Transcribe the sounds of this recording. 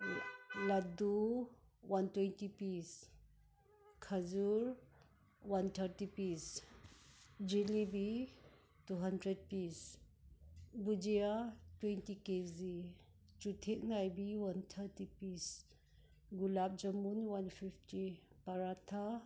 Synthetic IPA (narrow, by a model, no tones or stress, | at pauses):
ladu | wantwentipis | kʰɐd͡ʒuɾ | wantʰɐɾtipis | d͡ʒilibi | tuɦandɾed̚pis | bud͡ʒijatwentikezi | t͡ʃutʰek̚najbiwantʰɐɾtipis | ɡulap̚d͡ʒɐmunwanpʰipʰtipɐɾatʰa